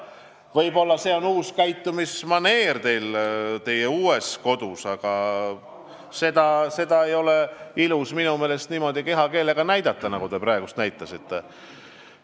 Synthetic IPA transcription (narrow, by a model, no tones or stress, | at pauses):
vɤjbo̞lːɑse̞o̞nuːskæjt̪ːˑumismɑne̞ːrt̪e̞jlt̪e̞jeuːesko̞d̪̥usɑɡ̥ɑ | se̞d̪̥ɑse̞d̪̥ɑe̞jo̞le̞ilusminume̞ːle̞st̪niːmo̞d̪ike̞ɦɑke̞ːle̞ɡ̥ɑnæjd̪̥ɑt̪ˑːɑnɑɡud̪e̞prɑeɡust̪næjt̪ˑːɑsit̪ˑːe̞